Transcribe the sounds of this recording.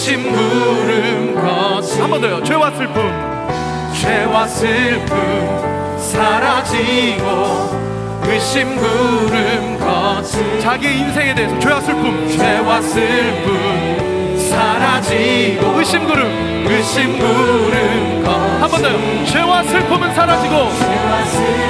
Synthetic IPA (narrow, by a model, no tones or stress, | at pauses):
ɕimɡuɾɯnɡʌsʰhambʌndʌjot͡ɕwe̞was͈ʰɯɭpʰum | t͡ɕwewas͈ɯɭpun | sʰaɾad͡ʑiɡo | wiɕimɡuɾɯnɡʌ | t͡ɕaɡieinsʰe̞ŋe̞de̞esʰʌt͡ɕwewasʰɯɭpʰumt͡ɕwewasʰɯɭpʰu | m | sʰaɾad͡ʑiɡoɯɕ͈imɡɯɾɯm | iɕimɡuɾɯnɡʌ | hambʌndʌjo | t͡ɕwe̞wasʰɯɭpʰɯmɯnsʰaɾad͡ʑiɡo